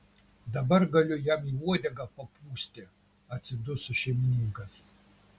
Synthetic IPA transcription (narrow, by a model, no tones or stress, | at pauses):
d̪abɐrɡɐlʲojamiwuɔd̪ʲɐɡapɐpʰuːsʲtʲe | at͡sid̪ʊsuʃemʲinʲiŋɡɐs